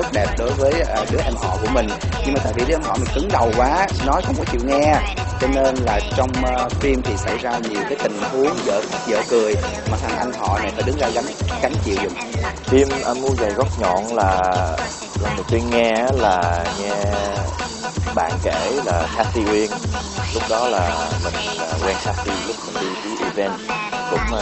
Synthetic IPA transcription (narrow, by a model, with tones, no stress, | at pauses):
t̪ʊ˦˥t̚ɗɛ˨˩p̚ɗo˨˦jvəː˨˦jəː˨˩ɗɨ˨˦əʔɛ˧mɦɔ̰˧˨ku˧˩əmï˨˩ŋ̟ɲɨ˧ŋmaː˨˩t̪a̰ː˧˨jvi˨˩ɗɨ˧˦˧ɛ˧mɦɔ̰˧˨mï˨˩ŋ̟kɨ˨˦ŋɗə˨˩wkwaː˨˦nɔ˨˦jkɔ˨˧mu˨˧˩t͡ɕḭ˧˨wŋɛ˧ | t͡ɕɔ˧ne˧nlaː˨˩t͡ɕɔ˧wŋ͡mfi˧mt̪ʰi˨˩sa˧˩jzaː˧ɲi˨˩əwkaː˨˦jt̪ï˨˩ŋ̟hu˨˦əŋzə̰ː˧˨xa˦˥t̚zə̰ː˧˨kɨ˨˩əj | maː˨˩t̪ʰa˨˩ŋʔa˧jŋ̟ɦɔ̰˧˨na˨˩jfaː˧˩jɗɨ˨˦ŋzaː˧ɣa˨˦ŋ̟ka˨˦jŋ̟t͡ɕḭ˧˨wzʊ̰˨˩ŋ͡mfi˧mʔa˧nmu˧əza˨˩jɣə˦˥t̚ɲɔ̰˧˨nlaː˨˩ | laː˨˩nɗɨ˨˩wt̪wi˧ənŋɛ˧ʔːlaː˨˩ŋɛ˧ | ɓa̰ː˧˨nke˧˩laː˨˩xaː˦˥t̚ti˧ʔwi˧ənlʊ˦˥k͡p̚ɗɔ˨˦laː˨˩mï˨˩ŋ̟laː˨˩ɣwɛ˧nsaː˦˥k̚ti˧lʊ˦˥k͡p̚mï˨˩nɗi˧vi˨˦ʔi˧vɛ˧nkʊ̰˧˥ŋ͡m